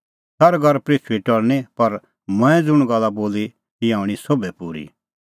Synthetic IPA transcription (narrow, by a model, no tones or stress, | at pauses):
sɐɾɡɐɾpɾit͡ʃʰʋiʈɔɽnipɐɾ | mɛ̃ɛ̃d͡zʊɽ̃ɡɐlaboːli | kiaːʊ̃ɽ̃isoːbɛpuːɾḭ